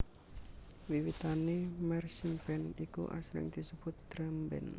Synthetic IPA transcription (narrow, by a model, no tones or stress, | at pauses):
wiwit̪anemɛrsimpɛnikṵʔa̰sɾɪ̰ŋd̪̥isəb̥ʊt̪̚d̪̥ɾambɛ̰n